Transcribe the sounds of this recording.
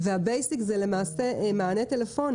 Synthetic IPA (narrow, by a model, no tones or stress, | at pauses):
vehabejsikzelemaːsemaane̞t̪elefo̞n